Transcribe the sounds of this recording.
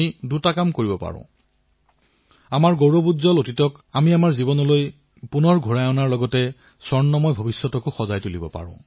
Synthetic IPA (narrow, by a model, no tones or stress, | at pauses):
idutakamkoɹibɔpa̰ɹʊ̰̃ | amaɹɡowɹɔbudzɔlotitɔkamiamaɹzibɔnɔloj | punɔɹɡʱuɹajɔnaɹlɔɡɔtɛ | sɔɹnːɔmɔjbʱobisːɔtɔkʊxɔzajtulibɔ̰pa̰ɹʊ̰̃